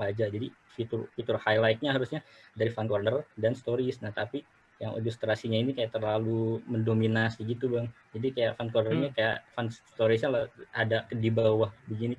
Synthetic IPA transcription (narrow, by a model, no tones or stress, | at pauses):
ad͡ʒad͡ʒadi | fit̪urfit̪ʊrhajlajt̪̚ɲaɦaɾusɲadaɾifankornərdanst̪oɾisnat̪api | jaŋo̰list̪ɾasiɲainikajaʔt̪ərlaluməndominasiɡit̪ubaŋ | d͡ʒadikaja̰ʔfankɔrnərɲakaja̰ʔfansst̪oɾis̬ɲalaadakədibawahbəɡini